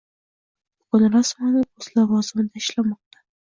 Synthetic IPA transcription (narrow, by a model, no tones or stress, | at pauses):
b̥ʊɡʊnɾasmɒnɪʊzlavɒzɪmɪd̪aɪʃlamɒq̚t̪ḁ